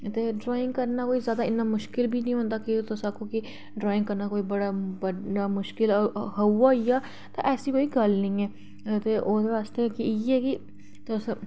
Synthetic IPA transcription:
t̪eːɖɾaːɪ̃ŋɡkəɾnaːkoːiːzjaːd̪aːɪnːãːmʊʃkɪlbʱiːnĩːɦõːnd̪aːkɪt̪ʊsakõːkɪ | ɖɾaːɪ̃ŋɡkəɾnaːkoːiːbəɽaːbəaːmʊʃkɪlɦəuːaːiːaː | t̪ã̰ːʔɛːsiːkoːiːɡəlnĩːɛː | t̪eːʔoːd̪eːʋaːst̪eːkɪiːɛːkɪ | t̪ʊs

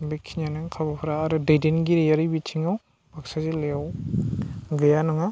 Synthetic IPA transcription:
bikʰiɲanɯŋkʰabapʰɯɾaːɾɯdajdenɡiɾejaɾibitʰiŋaw | baksazileaw | ɡɯjanɔŋa

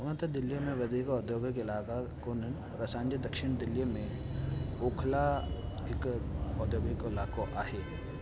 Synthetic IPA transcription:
ʊnət̪ɐd̪ɪlːijmẽʋɐd̪ʱiːkɔːd̪joːɡikɪlaːkakonən | ɾɐsãːnd͡ʒid̪ɐkʃɪɽ̃d̪ɪlːijmẽ | oːkʰla | ɪkɔːd̪joːɡikoɪlaːkoʔaːɦeː

